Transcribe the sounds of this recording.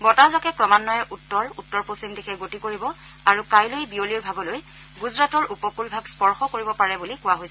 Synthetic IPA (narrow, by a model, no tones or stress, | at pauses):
bɔtazakɛkɹɔmanːɔjɛʔutːɔɹutːɔɹposimdikʰɛɡotikoɹibɔ | aɹukajlojbioliɹbʱaɡɔloj | ɡuzɹatɔɹupɔkulbʱaɡspɔɹxɔkoɹibɔpaɹɛbulikʊwaɦojsɛ